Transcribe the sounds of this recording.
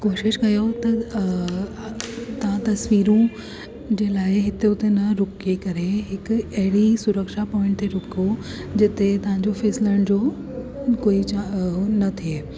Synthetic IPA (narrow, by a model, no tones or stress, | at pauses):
koːʃɪʃkɐjot̪ɐ | t̪ɐʋ̤ãt̪ɐsʋiːɾũ | d͡ʑeːlaːeɦɪt̪eʊt̪enɐɾʊkekɐɾeɦɪkɐɦɪɽisʊɾəkʃapɔːɪ̃ɳʈt̪ʰeɾʊko | d͡ʑɪt̪et̪ɐʋ̤ãɲd͡ʑofʰɛːsɪləɽ̃d͡ʑo | koːit͡ɕanɐt̪ʰie